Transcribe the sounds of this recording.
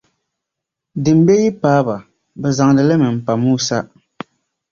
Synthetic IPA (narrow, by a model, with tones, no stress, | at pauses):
dɨ˨m̩˦be˦ji˦paː˦ba˨ | bɛ˨za˨ŋ˨dɨ˨lɨ˦mɨ˨m̩˨pa˨muː˦sa˦ʔ